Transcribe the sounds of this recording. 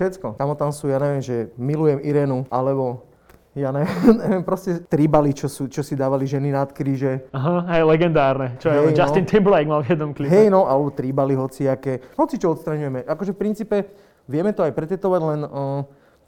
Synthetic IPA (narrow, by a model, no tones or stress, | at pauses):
ʃɛtt͡skɔkamɔt̪amsuːjaːɲɛʋɪɛmʒɛmilujɛmiɾɛːnuʔalɛbɔ | jaːɲɛʋɛɲɛʋɛmpɾɔscɛt̪ɾibalit͡ʃɔsuːt͡ʃɔsid̪aːʋaliʒɛninat̪kɾiːʒɛaɦaɦɛjlɛɡɛnd̪aːɾnɛt͡ʃɔɛɦɛd͡ʒast̪int̪ʰɛmblajɡmalvjɛd̪nɔmkliɦɛjnɔʔalɛbɔt̪ɾibaliɦɔt͡siakɛɦɔt͡sit͡ʃɔɔt̪st̪ɾaɲujɛmɛʔakɔʒɛfpɾintt͡siːpɛ | ʋɪɛmɛt̪ɔajpɾɛt̪ɛt̪ɔʋaɟlɛnə